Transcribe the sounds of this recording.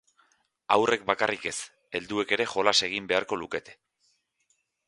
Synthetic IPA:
awre̞k̚bakarʔike̞s | e̞ld̪ue̞ke̞ɾe̞xo̞lase̞ɣ̞imbe̞aɾko̞luke̞t̪e̞̥

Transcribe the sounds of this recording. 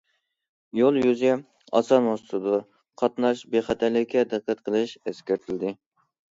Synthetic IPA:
jolˠjyzɛ | ɑ̰sɑnwosɨt̪ʰɨd̪u | qʰɑt̪nɑʃbeχæt̪ʰæɾlːɪkʲʰːɛd̪ɨqʰːæt̪qʰəlˠɨʃeskʲæɾt̪ʰɪlɪd̪ɪ

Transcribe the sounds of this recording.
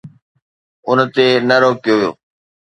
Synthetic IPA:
ʊn̤t̪eːnəɾoːkɪjoːʋijo̰ː

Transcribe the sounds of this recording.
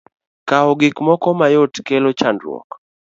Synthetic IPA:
kaɔɡɪkmɔkɔmajotkelot͡ʃandɾwɔ̰k

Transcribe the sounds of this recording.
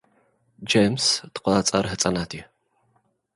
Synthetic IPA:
d͡ʒejmstɨ̥qʷat͡sʼɐrɦɨt͡sʼɐnaːtʰiː

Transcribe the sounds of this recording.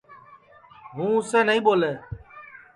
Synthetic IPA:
ɦũːʊseːnəĩːboːleː

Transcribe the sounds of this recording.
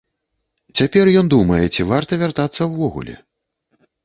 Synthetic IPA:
t͡sʲapʲɛrjɔnd̪umɐjɛt͡sʲivart̪ɐvʲart̪at̪sːɐwvɔɣṵlʲɛ̰

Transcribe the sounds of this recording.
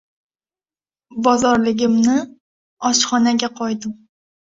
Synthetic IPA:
bɒzɒɾlɪɡʲɪmnɪ | ɒʃχɒnaɡʲaqʰɒjd̪ɪm

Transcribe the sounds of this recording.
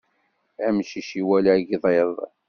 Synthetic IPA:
æmʃiʃiwælɡiðˤeðˤ

